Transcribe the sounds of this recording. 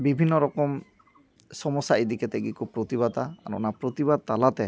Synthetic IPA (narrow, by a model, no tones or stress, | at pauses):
bibʱinːɔɹɔkɔm | sɔmɔsaid̪ikɛt̪ɛɡikupɹot̪iβat̪a̰ːɹṵnapɹot̪iβad̪̚talat̪ɛ